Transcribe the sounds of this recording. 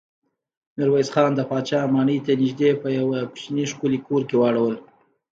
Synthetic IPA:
mɪɾwajzxɑnd̪əpɑt͡ʃɑmɑɳəjt̪anɪʒd̪epəjawapʃiniʂkulikoɾkewaɽawəl

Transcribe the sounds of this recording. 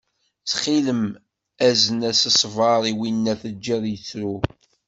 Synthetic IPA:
θχiləm | æzənæsəsˤvɑɾˤiwinːæθəd͡ʒːiðˤjət͡sːɾu

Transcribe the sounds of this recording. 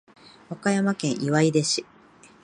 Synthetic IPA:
βakajamakẽ̞ɰ̃ʔiβaid̪eɕi

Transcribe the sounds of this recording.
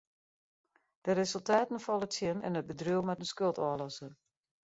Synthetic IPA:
d̥ərezəlˠtaːtən̩fɔlˠətjɪnɛ̰nət̚bədryəmɛtənskølˠtɔəlɔsən

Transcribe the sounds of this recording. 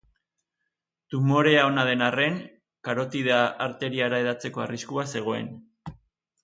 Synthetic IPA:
t̪umo̞ɾe̞ao̞naðe̞nare̞ŋ | kaɾo̞t̪iðaʔaɾt̪e̞ɾiaɾae̞ðat͡se̞ko̞ariskuase̞ɣ̞o̞e̞̰n

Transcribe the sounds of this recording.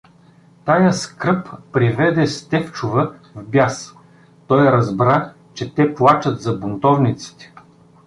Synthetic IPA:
t̪ajəskɾɤpːɾivɛd̪ɛst̪ɛft͡ʃʊvəvbʲjas | t̪ɔjɾɐzbɾa | t͡ʃɛt̪ɛplˠat͡ʃɐt̪zɐbʊnt̪ɔvnit̪si̥t̪ɛ̥

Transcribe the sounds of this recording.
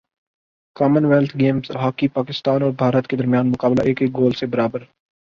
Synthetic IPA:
kaːmənʋeːlt̪ʰɡeːmzɦaːkipaːkɪst̪aːnɔːɾbʱaːɾət̪ked̪ɐɾmjaːnmʊkaːblaʔeːkeːk̚ɡoːlsebɐɾaːbəɾ

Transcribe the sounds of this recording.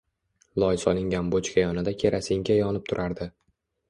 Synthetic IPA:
lˠɒjsɒlˠɪŋɡʲanbot͡ʃkʲajɒnɪd̪akʲʰe̞ɾʔasɪŋɡʲajɒnɪp̚t̪ʰʊɾʔaɾd̪ɪ

